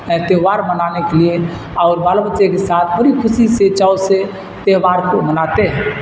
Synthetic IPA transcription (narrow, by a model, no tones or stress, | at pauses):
ɛ̃t̪eɦʋaɾmənanekelie | aʊɾbalabətːʃekesat̪ʰbəɾikʰʊsiset͡ʃause | t̪eɦʋaɾkomənat̪eɦɛ